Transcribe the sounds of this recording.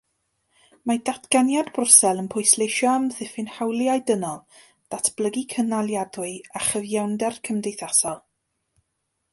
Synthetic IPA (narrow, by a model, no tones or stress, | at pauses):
madatʰɡ̥anjadbrʊrsɛlˠənpʰʊɨslˠejʃɔamðɪfɪnhawlˠjajdənɔlˠ | d̥atʰb̥lˠəɡikʰənalˠjadʊɨaχəvjawndɛrkʰəmdejθasɔlˠ